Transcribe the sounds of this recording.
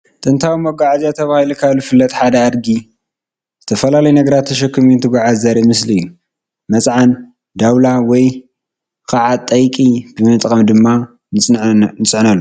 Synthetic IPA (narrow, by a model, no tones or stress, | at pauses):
t̪ʼɨnt̪ʰawimɐɡaʕaziat̪ʰɐβahilukʰalufɨlːɐt̪ʼħad̪ɐad̪ɡi | zɨt̪ʰɐfɐlalɐjnɐɡɐɾat̪ʰːɐʃɐkʰːɨmint̪ʰɨɡʷaʕazɐɾɐmɨsliɨjːu | mɐsʼʕan | d̪awlawɔj | kʰʼaʕat̪ʼːɐjkʼib̥ɨmɨt̪ʼkʼɐmd̪ɨmːa | nɨnɨt͡sʼʕnɐlːu